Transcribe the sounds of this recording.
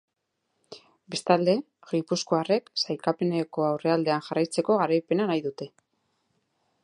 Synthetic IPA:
be̞st̪ald̪e̞ | ɣipusko̞are̞ksajkape̞neko̞awre̞ald̪e̞anʝarajt͡se̞ko̞ɣaɾajpe̞nanajðut̪e̞

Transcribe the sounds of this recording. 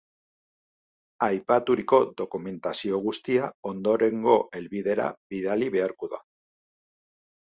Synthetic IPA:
ajpat̪uɾiko̞ðo̞kume̞nt̪asio̞ɣust̪iao̞nd̪o̞ɾe̞ŋɡo̞ʔe̞lβiðe̞ɾa̰biðaliβe̞aɾkoða̰

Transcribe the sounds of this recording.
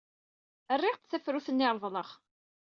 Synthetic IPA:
ərːɪʁt̪θæfɾuθənːɪɾˤvˤləʁ

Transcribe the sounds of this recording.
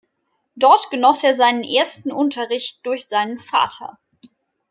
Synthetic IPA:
d̥ɔɐtɡ̥ənɔseːɐzaɪnənʔeːɐstn̩ʔʊntʰɐʁɪçt̚d̥ʊɐçz̥aɪnənfa̰ːtʰɐ̰

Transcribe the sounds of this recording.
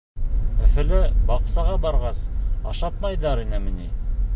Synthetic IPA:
ɵ̆fɘ̆lɘbɑqsɑʁɑbɑɾʁɑsɑ̰ʃɑt̪̚mɑjðɑɾinɘmɘ̆ni

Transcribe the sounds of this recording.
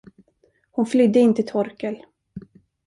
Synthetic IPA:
hʊnflʏd̪ːəɪnt̪ət̪ʰɔɾkəl

